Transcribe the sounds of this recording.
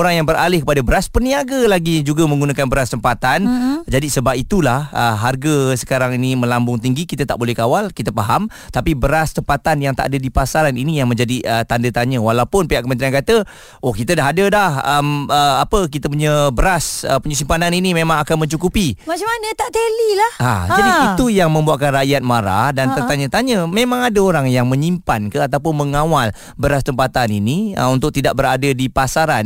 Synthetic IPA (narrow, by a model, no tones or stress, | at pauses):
oɾaŋjaŋbəɾalɪhkəpadabəɾaspərniaɡalaɡid͡ʒuɡamə̃ŋɡunakanbəɾast̪əmpat̪and͡ʒadisəbapit̪ulahəɦarɡəsə̥kaɾaŋinimə̃lambʊŋt̪iŋɡikit̪ət̪aʔbolɛhkawalkit̪əpaɦam | t̪apibəɾast̪əmpat̪anjaŋt̪a̰ʔadədipasaɾaninijaŋmə̃ɲd͡ʒadiʔət̪andət̪aɲə̃walawpʊnpiɦaʔkəmənt̪ɾiankat̪ə | ohkit̪ədaɦadəlahəməapək̬it̪əp̬uɲəbəɾasəpuɲəs̬impananinimẽmãŋakanmə̃ɲt͡ʃukupimat͡ʃamanət̪aʔt̪elilaha̰d͡ʒadiit̪ujaŋmə̃mbuaʔkanrajat̪̚maɾa̰hdant̪əaɲət̪aɲəmẽmãŋadəoɾaŋjaŋmə̃ɲimpankəat̪aup̬ʊnməŋawal | bəɾast̪əmpat̪aniniə̰unt̪ʊk̚t̪idaʔ̚bəɾadədipasaɾan